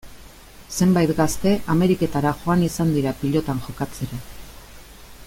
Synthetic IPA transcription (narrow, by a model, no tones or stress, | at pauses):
se̞mbajt̪ɡast̪e̞ʔame̞ɾike̞t̪aɾaʝo̞anisand̪iɾapiʎo̞t̪aŋʝo̞kat͡seɾa